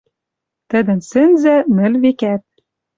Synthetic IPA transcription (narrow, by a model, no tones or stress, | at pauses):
t̪ɘ̆d̪ɘ̆nsɘ̆nzæmɘ̆lβekæt̪̚